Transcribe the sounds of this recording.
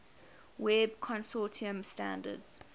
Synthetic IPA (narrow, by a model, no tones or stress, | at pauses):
wɛb̚kʰɔ̃nsɔːˑtʰiə̃mstãndə̰dz̥